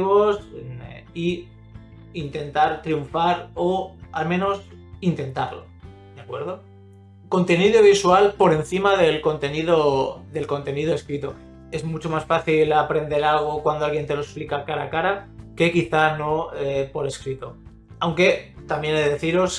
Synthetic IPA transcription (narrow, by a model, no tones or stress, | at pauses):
iβo̞s | i | int̪e̞nt̪aɾt̪ɾiuɱfaɾoalmẽ̞no̞s | int̪e̞nt̪aɾlo̞̰ | d̪jakwe̞ɾðo̞ | ko̞nt̪e̞niðoβ̞iswalpo̞ɾe̞n̟θimaðe̞lko̞nt̪e̞niðoðe̞lko̞nt̪e̞niðoeskɾit̪o | e̞zmut͡ʃo̞masfaθilapɾe̞nd̪e̞ɾalɣ̞o̞kwand̪oalɣje̞nt̪e̞loesplikakaɾa̰kaɾake̞kiθano̞epo̞ɾe̞skɾit̪o | awŋke̞t̪amje̞neðe̞θiɾo̞s